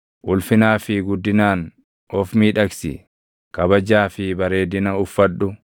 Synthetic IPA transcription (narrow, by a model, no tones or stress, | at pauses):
ʔʊlfɪnaːfɪɡʊd̪ːɪnaːn | ʔɔfmiːᶑɐksɪ̰ | kɐbɐd͡ʒaːfɪbɐɾe̞ːd̪ɪnɐʊfːɐᶑːʊ